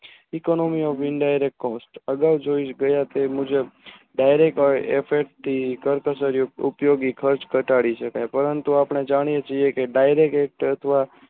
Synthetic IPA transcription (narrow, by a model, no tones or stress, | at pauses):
ikonɔmiɔfʰɪnɖajɾek̚ʈkɔsʈəɡaʋd͡ʒoiʃɡəjat̪emũd͡ʒe | ɖajɾek̚ʈefʰeɾʈ̚t̪ʰːikəɾkəsəɾiupjoɡikʰəɾt͡ʃkəʈaɽiʃəkajpəɾənt̪uapɳ̃ed͡ʒaɽ̃ijet͡ʃʰiekeɖajɾekek̚ʈət̪ʰəʋa